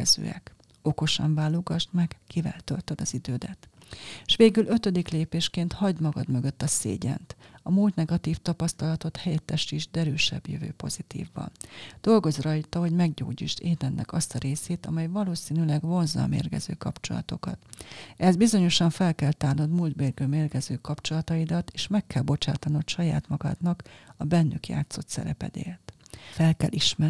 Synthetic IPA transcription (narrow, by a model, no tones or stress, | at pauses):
ɛzø̰ːɛ̰k | o̞ko̞ʃɒɱvaːloɡɒʃt̪mɛɡ̥kivɛ̰lt̪ølt̪ød̪ɒzid̪øːd̪ɛt̪ʃʋeːɡylø̞t̪ø̞d̪ikleːpeːʃkeːnt̪hɒɟd̪mɒɡɒd̪mø̞ɡø̞t̪ːɒsḛːɟɛ̰nt̪ɒmuːlt̪nɛɡɒt̪iːft̪ɒpɒst̪ɒlɒt̪o̞t̪hɛjɛt̪ːɛʃiʒd̪ɛɾøːʃɛ̰bjøvø̰ːpo̞̰zit̪ḭːvːɒ̰nd̪̥o̞lɡo̞zrɒjt̪ɒɦo̞ɟmɛɡɟo̰ːɟiːʃt̪eːd̪ɛnːʔɛ̰kɒst̪ɒɾeːseːt̪ɒmɛjvɒloːsiːnylɛɡvo̞nzɒ̰ːmḛːrɡɛ̰zø̰ːkɒpt͡ʃo̞̰lɒ̰t̪o̞kɒ̰t̪ɛzbizo̞ɲo̞ʃɒɱfɛlkɛlt̪aːnɒd̪muld̪beːrɡøːmeːrɡɛzøːkɒpt͡ʃo̞lɒt̪ɒid̪ɒt̪eːʃmɛkːɛlbo̞t͡ʃa̰ːt̪ɒnot̪ʃɒja̰ːt̪mɒɡɒ̰d̪nɒkɒbɛnːykja̰ːt̪so̞t̪sɛ̰ɾɛpɛ̰d̪ḛːrt̪fɛlkɛlʔiʃmɛ